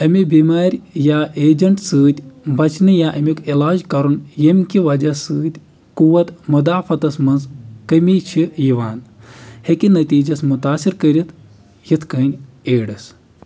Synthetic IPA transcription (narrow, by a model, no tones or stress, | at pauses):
ɐmibimaːɾʲjaːeːd͡ʒɐɳʈsɨːd̪ʲbɐt͡ʃnɨjaːʔɐmikilaːd͡ʒkɐɾunjemʲkʲiʋɐd͡ʒɐsɨːt̪ʲ | kuʋɐt̪mɐd̪aːfɐt̪ɐsmɐnzkɐmʲit͡ʃʰijiʋaːnhekʲinɐt̪ʲiːd͡ʒɐsmut̪aːsiɾkəɾʲit̪ | jit̪ʰkəːnʲ | eːɖɐs